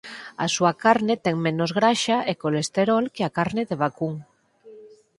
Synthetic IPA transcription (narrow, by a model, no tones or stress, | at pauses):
a̰suakaɾnet̪eŋmẽnozɣɾaʃaʔekolest̪eɾolkeakaɾneðeβ̞akuŋ